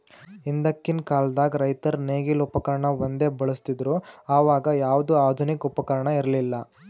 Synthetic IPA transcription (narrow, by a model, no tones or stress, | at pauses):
ind̪ɐkːinkaːld̪aːɡɾɐjt̪ɐɾneːɡilupɐkɐɾɐɳɐʋond̪e̞ːbɐɭust̪id̪ɾuaːʋaːɡɐjaːʋɐd̪uaːd̪ʱunikupɐkɐɾɐɳɐiɾɐlilːɐ